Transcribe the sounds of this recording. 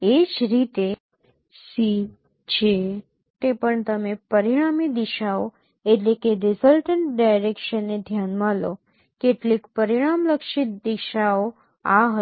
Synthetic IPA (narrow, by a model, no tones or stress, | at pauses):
ed͡ʒɾit̪e | si | t͡ʃʰe | t̪epəɳt̪əmepəɾiɽ̃amid̪iʃao | eʈlekeɾɪsəlʈəɳʈɖajɾekʃənːed̪ʱjanmalo | keʈlikpəɾiɽ̃amləkʃɪt̪̚d̪iʃao | aɦə